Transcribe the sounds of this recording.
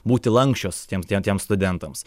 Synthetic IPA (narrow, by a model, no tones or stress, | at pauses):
buːt̪ʲɪlˠɐŋksʲt͡ʃʲoːst̪ʲiɛmt̪ʲiɛt̪ʲiɛmst̪ʊd̪ʲɛnt̪ɐms